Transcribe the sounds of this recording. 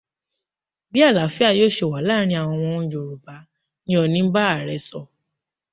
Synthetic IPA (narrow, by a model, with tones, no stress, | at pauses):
bi˦a˦˨la˨˦fi˦a˦˧˨jo˦ʃe˨wa˨˦la˦ɾ̃ĩ˧a˨w̃ɔ̃˧w̃ɔ̃˧ũ˧jo˨ɾu˨ba˨˦ | nĩ˦ɔ˧˨nĩ˦ba˦a˦˨ɾɛ˨˧sɔ˧˨